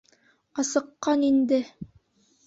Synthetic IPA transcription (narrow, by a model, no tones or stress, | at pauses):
ɑsɤ̆qːɑnind̪ɘ